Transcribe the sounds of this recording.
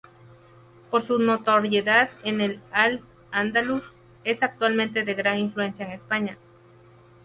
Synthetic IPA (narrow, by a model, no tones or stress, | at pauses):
poɾsunot̪oɾjeðaðenelal | and̪alus | e̞sak̚t̪walmẽnt̪e̞ðe̞ɣɾaŋiɱflue̞nsjaeŋespaɲa